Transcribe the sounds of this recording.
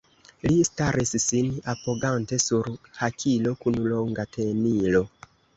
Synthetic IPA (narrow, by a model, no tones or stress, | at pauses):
listaɾʔissinapoɡante̞suɾhakʰilo̞kunuloŋɡatʰenilo̞